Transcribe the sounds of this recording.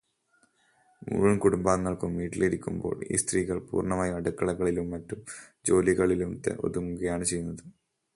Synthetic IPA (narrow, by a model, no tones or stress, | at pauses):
mṵɻunkuɽumbaːŋːɐɭkumːiːʈːiliɾikʲːumbo̞̰ːɭḭːst̪riːɣɐɭpṵːrɳɐmaːjɐɐɽukːɐɭɐɣɐɭilumːɐtːumd͡ʑo̞ːliɣɐɭilumt̪ːḛʔo̞̰ðumuɣɐjaːɳɨt͡ɕe̞junːɐðɨ